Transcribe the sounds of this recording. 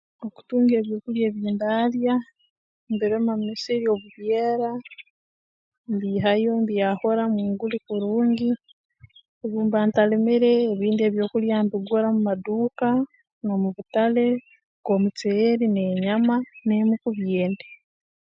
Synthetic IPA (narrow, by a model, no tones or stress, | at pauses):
oku̥tuːŋɡe̞ːβjo̞ːkuljeːβiːndalja | mbeɾemamisiɾio̞βuβjeːɾa | mbiɦajombijaho̞ɾamwiːŋɡulikuɾuːɲɡi | oβuːmbaːntalemeɾe̞ːβiːndie̞βjo̞ːkuljambiɡoɾamumaduːka | nomuβutale̞ | ɡ̥o̞mut͡seɾineɲamanemukuβjeːnde